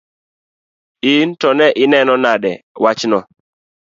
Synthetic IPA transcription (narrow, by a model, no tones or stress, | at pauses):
intɔnɛʔɪnɛnɔnadɛwat͡ʃnɔ